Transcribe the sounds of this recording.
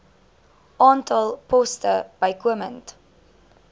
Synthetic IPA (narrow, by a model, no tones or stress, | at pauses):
ʔɑːntɐlˠpɔstəb̥ɐjkuəmənt